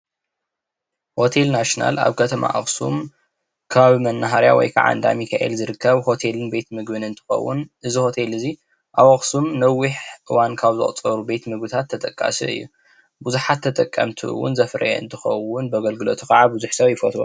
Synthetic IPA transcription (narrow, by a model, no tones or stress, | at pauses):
ho̞t̪ʰelnaʃna̰la̰βkʰɐt̪ʰɐma̰ʔɐ̰χsṵm | kʰaβmɐnːaɦaɾja̰wɔ̰jkʰa̰ʕa̰nd̪a̰mikʰaʔḛlzɨɾɨkʰːɐβho̞t̪ʰelɨnbet̪mɨɡbɨnɨnt̪ʰɨ̥xɐ̰wːʊ̰nʔɨziho̞t̪ʰelɨzi | ʔaβɐχsumnɐwiħʔɨwankʰaβzɨ̰χʼt͡sʼɐɾubet̪mɨɡbɨt̪ʰat̪ʰːɐt̪ʼɐkʼːa̰sɨ̰ɨ̰jːu | buzuħat̪ʰːɐt̪ʼɐkʼːɐ̰mt̪ʰɨʔɨ̰wʊ̰nzɐfɾɐ̰jeɨ̰nt̪ʰɨxɐwʊnbɐɡɐlɡɨlot̪ʰuxɐʕabuzuħsɐβjɪfot̪ɾo̰